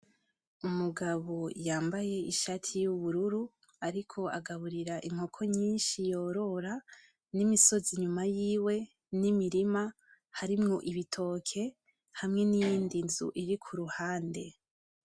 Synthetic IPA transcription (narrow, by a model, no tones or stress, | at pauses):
umuɡaβojaːmbaje̞iʃatʰijuβuɾuɾu | aɾikʰo̞aɡaβuɾiɾaʔim̥ho̞kʰo̞ɲiːnʃijo̞ːɾo̞ɾa | nimiso̞ziɲumajiːwe̞ | nimiɾima | haɾimŋo̞ʔiβitʰo̞ːkʰe̞ | hamŋe̞nijiːndinzṵʔiɾikʰuɾuhaːnde